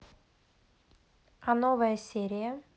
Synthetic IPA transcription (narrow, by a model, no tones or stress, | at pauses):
ɐnovəjəsʲeɾʲɪjə